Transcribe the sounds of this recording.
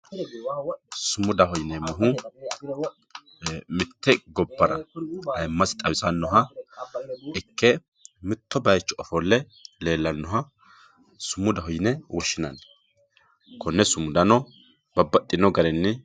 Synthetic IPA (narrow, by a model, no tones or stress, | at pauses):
sʊmʊd̪ɐhɔjnɛmʊɦʊ | mɪt̪ːɛɡɔbːɐɾɐ̰ɐjmːɐsɪ̥t̪ʼɐwɪsʼɐnːɔɦɐ | ʔɪkːɛ | mɪt̪ːɔbɐjt͡ʃːɔɔfɔlːɛ | le̞ːlːɐnːɔɦɐ | sʊmːʊd̪ɐɦɔjnɛwɔʃːɪnɐn | kʰɔnːɛsʊmːʊd̪ɐnɔ | bɐbːɐtʼːɪnːɔɡɐɾɛnːɪ